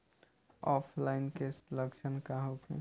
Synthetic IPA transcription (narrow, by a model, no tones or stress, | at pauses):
ɔːpʰlaɪnkesləkt͡ʃʰənkaɦokʰḛ̃